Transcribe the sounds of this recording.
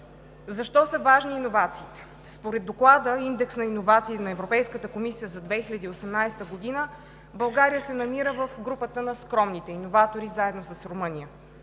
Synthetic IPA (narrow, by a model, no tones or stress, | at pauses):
zɐʃt̪ɔsəvaʒniːnovat̪siːt̪ɛ̥ | spoɾɛd̪ːoklˠad̪əind̪ɛksnɐinovat̪siːnɐɛvɾopɛjskət̪əkomisijəzɐd̪vɛxilʲəd̪iːosɛmnajst̪əɡod̪inə | bɐlˠɡaɾijəsɛnɐmiɾəvəfɡɾupət̪ənɐskɾɔmnit̪ɛinovat̪oɾizaɛd̪nosəsɾomɤnijə